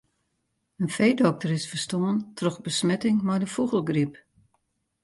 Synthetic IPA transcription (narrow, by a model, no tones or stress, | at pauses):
ənfejdɔk̚tərɪsfərstoəntʰrɔxbəsmɛtɪŋmɛjdəfuɣəlˠɡrip